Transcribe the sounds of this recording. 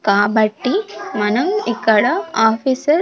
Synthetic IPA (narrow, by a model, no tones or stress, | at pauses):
kaːbɐʈːimɐnɐmikːɐɽɐaːfʰisɐɾ